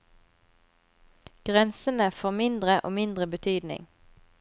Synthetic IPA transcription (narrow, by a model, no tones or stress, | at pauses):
ɡ̥ʁɛnsənəfoːʁmɪnd̪ʁəʔo̰ːmɪnd̪ʁəbət̪ʰyːd̪nɪ̰ŋ